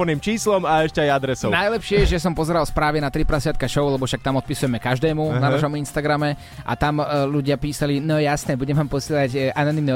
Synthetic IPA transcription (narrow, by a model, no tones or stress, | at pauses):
ɔniːmt͡ʃiːslɔmaɛʃcɛajad̪ɾɛsɔʊnajlɛpʃɪɛʒɛs̬ɔmpɔzɛɾalspɾaːʋɛnat̪ɾipɾasɪat̪̚kaʃɔʊlɛbɔfʃak̚t̪amɔt̪pisujɛmɛkaʒd̪ɛːmunanaʃɔminst̪aɡɾamɛ | ʔa̰t̪amʎuɟɪapiːsalinɔjasnɛːbuɟɛmʋaːmpɔsɪɛlaɟananimni